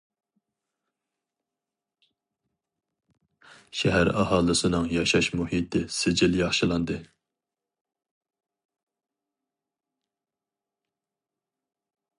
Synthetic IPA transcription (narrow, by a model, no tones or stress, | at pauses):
ʃɛɦæɾɑhɑːlˠɨsɨnɨŋjɑʃɑʃmuhit̪ʰɪsɪd͡ʒɪljɑχʃɨlˠɑnd̪ɨ